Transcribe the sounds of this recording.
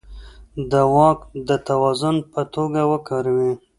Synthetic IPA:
d̪əwɑkd̪ət̪awɑzʊnpət̪oɡawəkɑɾawi

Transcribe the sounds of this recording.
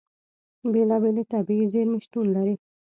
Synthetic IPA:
belabelet̪abizeɾmɪʃʈunlaɾi

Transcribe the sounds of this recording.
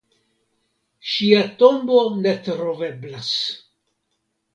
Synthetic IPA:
ʃiato̞mbo̞ne̞tɾove̞blas

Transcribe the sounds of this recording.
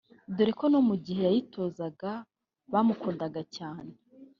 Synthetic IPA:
duɾekono̞muɟihe̞jajitʰo̞ːzaɡa | βamukuːndaɡacaːnee

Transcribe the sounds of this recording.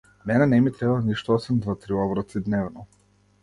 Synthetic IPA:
mɛnɛnɛmit̪ɾɛbalˠaniʃt̪uɔsɛmd̪vat̪ɾiɔvɾɔt̪sid̪nɛvnɔ

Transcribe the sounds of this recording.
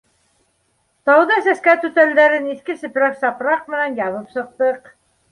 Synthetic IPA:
t̪ɑwðɑsæskæt̪ʉt̪æld̪æɾɘniθkɘsɘ̆pɾæksɑpɾɑq̚mɘ̆nænjɑβɤpsɤ̆q̚t̪ɤq

